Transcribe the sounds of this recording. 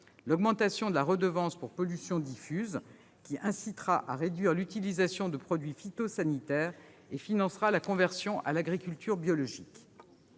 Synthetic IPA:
lɔɡmɑ̃t̪asjɔ̃d̪əlaʁəd̪əvɑ̃spuʁpɔlysjɔ̃d̪ifyz | kʲiʔɛ̃sit̪χaʔaʁed̪ɥiʁlyt̪ilizasjɔ̃d̪əpχɔd̪ɥifit̪osanit̪ɛːʁ | efinɑ̃sʁalakɔ̃vɛʁsjɔ̃ʔa̰laɡʁikʲylt̪yʁbjɔlɔʒik

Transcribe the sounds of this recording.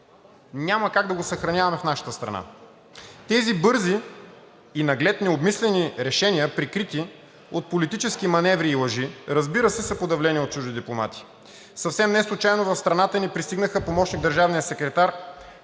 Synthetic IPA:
nʲaməkaɡ̚d̪ɐɡosɐxɾɐnʲavɐmɛfnaʃə̥t̪əst̪ɾɐ̰na̰ | t̪ɛzibɤɾziː | nɐɡlɛt̪nɛobmislɛniɾɛʃɛniəpɾikɾit̪i | ot̪̚polit̪it͡ʃɛskimɐnɛvɾiːlˠɐʒiɾɐzbiɾəsɛsɐpod̪ɐvlɛniot̪̚t͡ʃuʒd̪id̪iplˠoma̰t̪i̥ | sɐfsɛmnɛslˠʊt͡ʃajnovɐfst̪ɾɐnat̪ənipɾist̪iɡnəxəpomɔʃniɡ̚d̪əɾʒavnijəsɛkɾɛt̪aɾ

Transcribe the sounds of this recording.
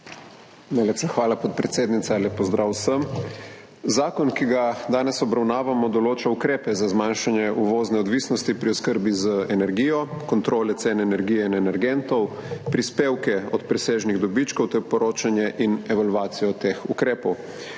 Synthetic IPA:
nalepsaxʋaːlapɔt̪̚pɾɛt̪seːd̪nit̪saleːpːɔzd̪ɾʔawsəm | zaːkɔnkiɡad̪aːnɛsɔbɾawnaːʋamɔd̪ɔloːt͡ʃaukɾeːpɛzazmaːnʃanjɛʔuʋoːznɛɔd̪ʋiːsnɔst̪ipɾiɔskəɾbizəɛnɛɾɡiːjɔkɔnt̪ɾoːlɛt̪seːnɛɛnɛɾɡiːjɛinɛnɛɾɡɛnt̪ɔwpɾispeːwkɛɔt̪pɾɛseːʒniɣd̪ɔbit͡ʃkɔwt̪ɛɾpɔɾoːt͡ʃanjɛʔinɛʋalʋaːt̪sijɔt̪exukɾeːpɔw

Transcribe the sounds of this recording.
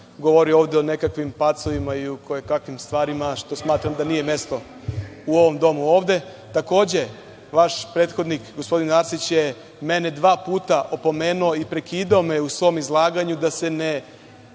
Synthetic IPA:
ɡoʋo̞ɾio̞ːʋd̪eo̞ne̞kakʋimpat̪soʋimaiukojekakʋimst̪ʋaːɾimaʃt̪o̞smaːt̪ɾamd̪anijeme̞st̪o̞ | uo̞ʋo̞md̪o̞muo̞ːʋd̪e̞ | t̪ako̞ːd͡ʑe̞ | ʋaʃpɾe̞ːt̪xod̪nikɡospo̞d̪inaɾsit͡ɕje | mene̞d̪ʋaːpuːt̪aʔo̞po̞me̞ːnuoipɾe̞kiːd̪aome̞usʋo̞mizlˠaːɡaɲud̪ase̞ne̞

